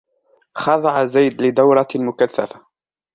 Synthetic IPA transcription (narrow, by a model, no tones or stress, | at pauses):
xɑðˤɑʕazːajd̪lɪd̪awɾˤɑmʊkaθːafa